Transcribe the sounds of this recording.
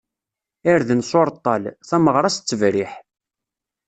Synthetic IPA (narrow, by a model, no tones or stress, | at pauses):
æɾðənsˤoɾˤt̪ˤːɑlθæməʁɾˤɑst͡sːəvɾiħ